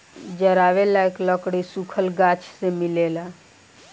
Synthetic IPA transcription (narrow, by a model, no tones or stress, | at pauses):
d͡ʒəɾaːʋelaekləkɽisukʰəlɡat͡ʃʰsemilela